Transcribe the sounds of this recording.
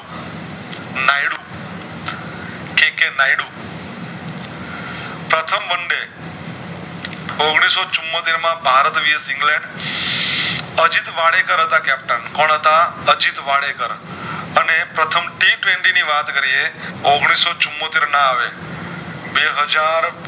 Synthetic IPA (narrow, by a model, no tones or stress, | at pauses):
naiɽu | kẽkenaiɽu | pɾət̪ʰəmbəɳɖe | oɡɽ̃isot͡ʃʊmːot̪eɾmãbʱaɾət̪ʋijəsɪ̃ŋɡlẽɳɖ | əd͡ʒit̪ʋaɽekəɾɦət̪akɛp̚ʈənkoɳ̃ɦət̪aəd͡ʒit̪ʋaɽekəɾənepɾət̪ʰəmʈiʈʋẽɳʈiniʋat̪kəɾieoɡɽ̃isot͡ʃʊmːot̪eɾnãaʋe | beɦəd͡ʒaɾ